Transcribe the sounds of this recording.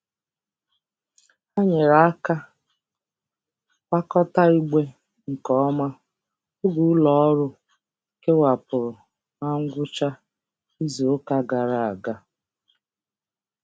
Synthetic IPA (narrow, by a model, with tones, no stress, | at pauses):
a˦ɲe˨ɾa˨a˦ka˦ | wa˦kɔ˦ta˦i˦ɡ͡be˦ | ŋ̩˨kɔ˦ma˦ | ʊ˦ɡu˨˦lɔ˨ɔ˦ɾʊ˦ | ke˦wa˨pʊ˨ɾʊ˨ | a˦ŋ̩˦ɡʷʊ˦t͡ʃa˦ | i˦zo˨o˦ka˦ɡa˨ɾa˨a˨ɡa˦